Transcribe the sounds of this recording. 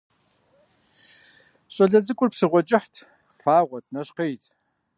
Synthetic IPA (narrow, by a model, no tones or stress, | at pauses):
ɕʼɐɮɐd͡zɨkʷʼʊrpsɨʁʷɔt͡ʃʼɪħtʰ | faːʁʷɔt̚ʰnɐɕqejtʰ